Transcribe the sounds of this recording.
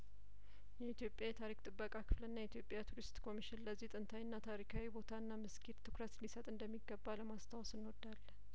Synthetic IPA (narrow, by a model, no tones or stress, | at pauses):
jɛit̪jo̞pʼjajɛt̪ʰaɾikt̪ʼɨbːəkʼakʰɨflənːajɛit̪ʰjo̞pʼjat̪ʰuɾist̪kʰo̞miʃɪnləzːiht̪ʼɨnt̪ʰawinːat̪ʰaɾikʰawibo̞t̪ʰaɨnːamɨskʰit̪t̪ʰɨ̥kʰɾət̪lisət̪ʼɨnd̪əmːiɡːəbːaləmast̪ʰawsɨnːwɔd̪ːalːə